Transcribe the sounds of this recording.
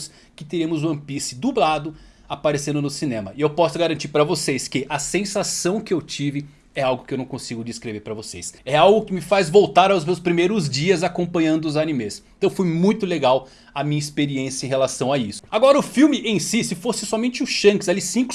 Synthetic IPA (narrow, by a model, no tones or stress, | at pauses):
s | kɪt̪eɾiɐmʊzũɐ̃pisɪd̪ublad̪ʊ | apaɾesẽnd̪ʊnʊsinẽmɐɪewpɔsʊɡaɾɐ̃nt͡ʃiɾpɾɐvosejskɪʔɐsẽsasɐ̃w̃kɪewt͡ʃivɪ | ɛawɡʊkɪewnɐ̃w̃kõsiɡʊd͡ʒɪskɾeveɾpɾɐvosḛjsɛawɡʊkɪmɪfazvowt̪aɾawzmewspɾimejɾʊzd͡ʒiɐzakõmpɐ̃ɲɐ̃nd̪ʊzanimesẽt̪ɐ̃w̃fojmũj̃t̪ʊleɡaw | ɐmĩɲɐispeɾiẽsjɐẽhelasɐ̃w̃aisʊ̥aɡɔɾɐʊfiwmɪʔẽj̃sisɪfosɪsɔmẽnt͡ʃɪʊʃɐ̃kɪsalisĩkʊ